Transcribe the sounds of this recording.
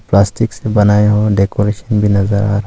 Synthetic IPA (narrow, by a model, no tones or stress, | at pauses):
plaːsʈɪksebɐnaːeɦoɖeːkoːɾeːʃənbʱinɐzəɾaːɾ